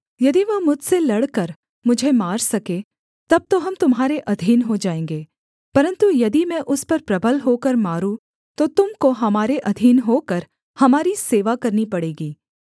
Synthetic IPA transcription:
jɐd̪iʋɐmʊd͡ʒselɐɽkɐɾ | mʊd͡ʒʱemaːɾsɐkeː | t̪ɐb̚t̪oɦɐmt̪ʊmɦaːɾeʔɐd̪ʱiːnɦod͡ʒaːẽːŋɡeː | pɐɾə̃nt̪ujɐd̪imɛ̃ʔʊspɐɾpɾɐbʱəlɦoːkɐɾmaːɾũ | t̪ot̪ʊmkoɦɐmaːɾeʔɐd̪ʱiːnɦokɐɾ | hɐmaːɾiseːʋakɐɾnipɐɽeːɡiː

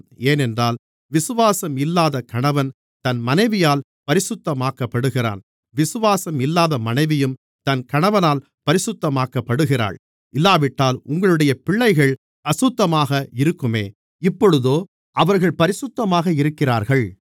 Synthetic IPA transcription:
eːnɛndraːl | ʋɪsɯʋaːsɐmɪlːaːðɐkɐɳɐʋɐn | t̪ɐnmɐnɐɪʋɪjaːl | pɐɾɪsʊt̪ːɐmaːkɐpːɐɽɯɣɪra̰ːn | ʋɪsɯʋaːsɐmɪlːaːðɐmɐnɐɪʋɪjɯm | t̪ɐnkɐɳɐʋɐnaːl | pɐɾɪsʊt̪ːɐmaːkːɐpːɐɽɯɣɪra̰ːɭ | ɪlːaːʋɪʈːaːlʊ̰ŋɡɐɭɯɽɐjɐpɪɭːɐɪɣɐɭ | ɐsʊt̪ːɐmaːɣɐɪɾɯkːɯmeː | ɪpːɔɻɯðoː | ʔɐʋɐɾɣɐɭpɐɾɪsʊt̪ːɐmaːɣɐɪɾɯkːɪra̰ːɾɣɐɭ

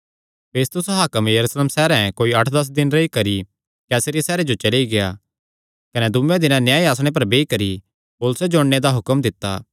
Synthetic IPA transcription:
peːst̪ʊsaɦaːkəmjɐɾusleːmsɛːɾɛ̃koːiɐʈʰd̪ɐs̬d̪ɪnɾɐikɐɾi | kɛːsɾiasɛːɾed͡ʒot͡ʃɐliɡeja̰ː | kɐnɛd̪ʊmẽd̪ɪnãnjaːiaːsɽ̃ep̬ɐɾbeːikɐɾi | poːlʊsed͡ʒoːɽːed̪aɦʊkəmd̪ɪt̪ːa̰ː

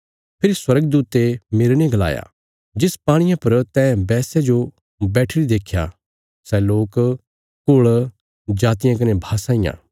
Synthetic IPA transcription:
pʰɪɾiswɐɾəɡd̪uːt̪emɪɾnẽɡɐla̰ːja̰ | d͡ʒɪspaːɽ̃ɪjãpɐɾt̪ɛbɛːsed͡ʒo | bɛːʈʰɪɽid̪eːkʰːja̰ | sɛloːk | koɭ | d͡ʒaːt̪ɪjãk̬ɐnebʱaːsãːɪːjã̰ː

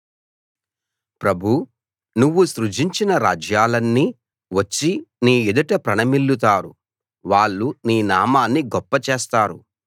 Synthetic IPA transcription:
pɾɐbʱu | nuʋːusɾud͡ʒiɲt͡ʃinɐɾaːd͡ʒjaːlɐnːiː | ʋɐt͡ʃːiniːid̪ɐʈɐpɾɐnɐmilːut̪aːɾu | ʋaːɭːuniːnaːmaːnːiɡɔpːɐt͡ʃeːst̪aːɾṵ

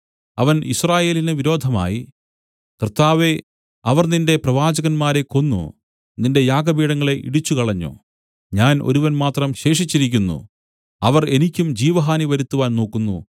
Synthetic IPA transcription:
ɐʋɐnḭsraːje̞ːlineʋiɾo̞ːd̪ʱɐma̰ːji | krt̪ːaːʋe̞ | ɐʋɐrninde̞prɐʋaːd͡ʑɐɣɐnmaːɾe̞ko̞nːṵ | ninde̞jaːɡɐbiːɽɐŋːɐɭe̞ʔḭɽit͡ɕːukɐɭɐɲːo̰ː | ɲaːno̞̰ɾuʋɐnmaːt̪rɐmɕe̞ːʂit͡ɕːiɾikʲːunːṵ | ɐʋɐre̞nikʲːumd͡ʑiːʋɐɦaːniʋɐɾut̪ːuʋaːnno̞ːkːunːṵ

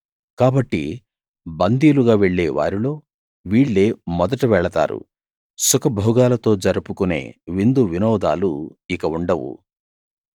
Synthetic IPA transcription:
kaːbɐʈːḭ | bɐnd̪iːluɡaːʋeɭːeːʋa̰ːɾilo̞ː | ʋiːɭːe̞ːmɔd̪ɐʈuʋɛɭɐt̪a̰ːɾṵ | sukɐbʱɔːɡaːlɐt̪o̞ːd͡ʒɐɾupukune̞̰ːʋind̪uʋinɔːd̪a̰ːluikɐuɳɖɐwṵ

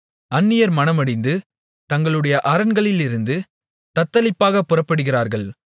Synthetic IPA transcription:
ɐnːɪjɐɾmɐnɐmɐɽɪnd̪ɯ | t̪ɐŋɡɐɭɯɽɐjɐʔɐɾɐnɡɐɭɪlɪɾɯnd̪ɯ | t̪ɐt̪ːɐlɪpːaːɣɐpːɯrɐpːɐɽɯɣɪɾaːɾɣɐɭ

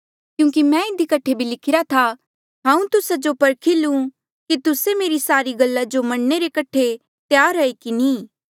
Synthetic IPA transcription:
kjũːk̬imɛ̃ɪd̪ikɐʈʰebʱilɪkʰɪɾat̪ʰa | ɦãːũt̪ʊsad͡ʒopɐɾkʰilũ | kit̪ʊsemeːɾisaːɾiɡɐlːad͡ʒomɐɽneɾekɐʈʰe | t̪jaːɾɐikinĩː

